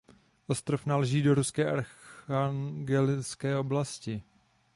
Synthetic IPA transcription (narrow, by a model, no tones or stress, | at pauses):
ʔo̞st̪ɾofnalɛʒiːdo̞ɾuskɛːʔaɾaŋɡɛlɪt͡skɛːo̞blascɪ